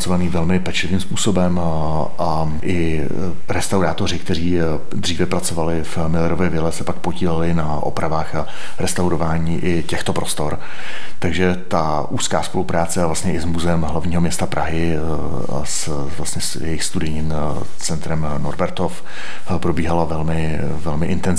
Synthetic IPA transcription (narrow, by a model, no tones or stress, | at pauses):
t͡sovaniːvɛlmɪpɛt͡ʃlɪviːmspuːso̞bɛm | ʔa | ʔɪ | ɾɛst̪awɾaːt̪o̞r̝ɪk̚t̪ɛɾiː | d̪r̝iːvɛpɾat͡so̞valɪf | mɪlɛɾovɪvɪlɛsɛpak̚poɟiːlɛlɪnaʔo̞̰pɾavaːxa | ɾɛst̪awɾo̞vaːɲiːʔɪcɛxt̪o̞pɾo̞st̪o̞ɾ | t̪aɡʒɛ | t̪a | ʔuːskaːspo̞lupɾaːt͡sɛavlast̪ɲɛʔɪzmuzɛɛmɦlavɲiːɦomɲɛst̪apɾʔaɦɪ | a̰s | vlast̪ɲɛsjɛ̰jɪxst̪udɪɲɪn | t͡sɛnt̪ɾɛm | no̰ɾbɛɾt̪of | pɾo̞biːɦalavɛlmɪ | vɛlmɪʔɪnt̪ɛn